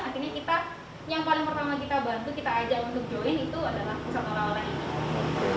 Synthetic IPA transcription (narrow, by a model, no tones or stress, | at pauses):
art̪irɲakit̪a | jaŋpalɪŋpərt̪amakit̪abant̪ukit̪aːd͡ʒaunt̪ʊk̚d͡ʒoɪnit̪uadalahpusat̪oɾaŋoɾaŋini